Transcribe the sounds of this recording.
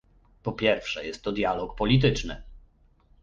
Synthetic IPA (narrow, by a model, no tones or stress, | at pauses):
pɔpʲjɛɾfʂɛjɛst̪ːɔd̪ʲjalɔkpɔlʲit̪̬ɘt͡ʂnɘ̰